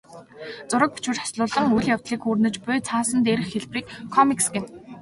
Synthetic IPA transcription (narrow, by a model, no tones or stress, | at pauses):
t͡sʊɾə̆k̚pu̥t͡ɕwɘ̆t͡ɕḁsɮʊːɮə̆ŋuɮjaw̥t̪ɮiːkxuːrnɘ̆t͡ɕpʊjt͡sʰaːsə̆nt̪eɾɘ̆xxeɮpriːkʰːɔmiksɡen